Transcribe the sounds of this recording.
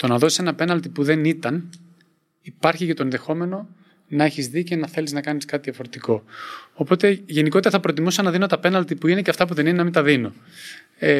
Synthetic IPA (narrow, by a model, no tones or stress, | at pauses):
t̪o̞nɐðo̞sisenɐpe̞nɐlt̪ipuðe̞nit̪ɐn | ipɐɾçicɐt̪oenðexo̞me̞no | nɐe̞çizðice̞nɐθe̞liznɐkɐniskɐt̪iðiɐfo̞ɾet̪iko̞opo̞t̪e̞ʝe̞niko̞t̪eɾɐθɐpɾo̞t̪imusɐnɐðino̞t̪ɐpe̞nɐlt̪ipuine̞ceɐft̪ɐp̬uðe̞ninenɐmind̪ɐðino̞ | e